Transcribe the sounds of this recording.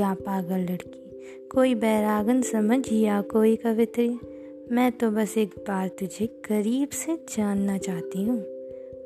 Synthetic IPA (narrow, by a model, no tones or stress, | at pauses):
aːpaːɡəlːɐɽki | koːibɛːɾaːɡənsɐməd͡ʒjaːkoːikɐʋɪt̪ɾi | mɛ̃ːt̪obɐseːk̚baːɾt̪ʊd͡ʒʱeɡ̥ɐɾiːbsed͡ʒaːnːat͡ʃaːɦt̪iɦũː